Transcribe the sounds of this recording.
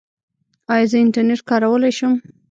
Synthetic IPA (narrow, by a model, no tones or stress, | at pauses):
ɑjɑzəɪɳʈaɾneʈkɑɾawəlajʃum